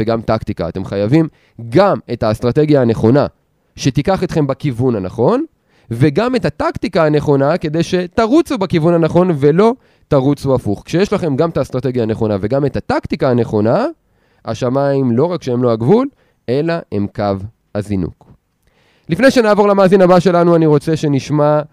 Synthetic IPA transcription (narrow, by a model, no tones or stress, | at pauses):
veɡamt̪akt̪ika̰ːt̪e̞mχajavim | ɡame̞taːst̪ʁat̪e̞ɡjaːne̞χo̞na | ʃe̞t̪ikaχet̪χe̞mbakivunhanaχo̞n | ve̞ɡame̞tat̪akt̪ikaane̞χo̞nake̞d̪e̞jʃe̞t̪aʁut͡subakivunhanaχo̞nve̞lo̞ | t̪aʁut͡suafuχkʃejeʃlaχe̞mɡamet̪ast̪ʁat̪e̞ɡjaːne̞χo̞nave̞ɡame̞t̪at̪akt̪ikaːne̞χo̞na | a̰ʃamaimlo̞ʁakʃeemlo̞aɡvul | e̞laemkav | hazinṵk | lifnejʃe̞naːvo̞ʁlamaːzinabaʃe̞lanuaniʁo̞t͡se̞ʃe̞niʃma